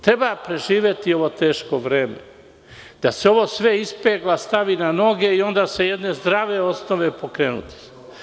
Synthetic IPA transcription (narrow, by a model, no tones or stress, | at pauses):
t̪ɾe̞bapɾe̞ʒiːʋje̞t̪io̞ʋo̞t̪eːʃko̞ʋɾeːmḛ | d̪̥aseo̞ʋo̞sʋe̞ispeɡlast̪aʋinano̞ɡe̞io̞nd̪aːse̞jed̪ne̞zd̪ɾaʋe̞o̞snoʋe̞po̞kɾeːnṵt̪i̥